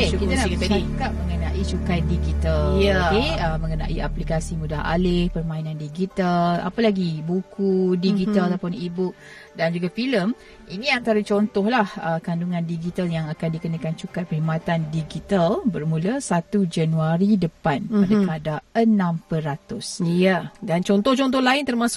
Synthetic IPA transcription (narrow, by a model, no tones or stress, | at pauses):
kekit̪ankəaikaʔmə̃ŋənaʔit͡ʃukat̪̚diɡit̪aljakeəmə̃ŋəna̰ʔiaplikasimudaɦa̰lɪhpərmãinãndiɡit̪ala̰palaɡibukudiɡit̪alat̪awpʊnibʊk̚ | dand͡ʒuɡafiləm | inĩant̪aɾat͡ʃɔnt̪ɔhlahəkanduŋãndiɡit̪aljaŋakandikənakant͡ʃukat̪̚pəɾimat̪andiɡit̪albərmuləsat̪ud͡ʒanuaɾidəpanpadakəadaənãmpəɾat̪ʊsadant͡ʃɔnt̪ɔht͡ʃɔnt̪ɔhlaɪnt̪ərmãsʊ